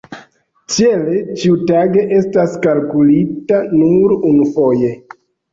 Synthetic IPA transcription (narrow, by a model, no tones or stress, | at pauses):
t͡ʃielet͡ʃiutaɡe̞ʔe̞staskalkulitanuɾunufo̞je̞